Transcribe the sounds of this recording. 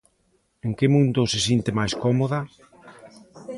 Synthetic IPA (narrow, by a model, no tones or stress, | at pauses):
eŋkɪmũnd̪ʊsɪsint̪ɪmajskɔmoðɐ